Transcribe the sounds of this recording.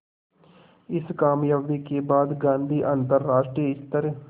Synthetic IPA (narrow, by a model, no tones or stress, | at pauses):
ɪskaːmjaːʋikebaːd̪ɡãːnd̪ʱiːʔãːnt̪əɾːaːʃʈɾijəɪst̪əɾə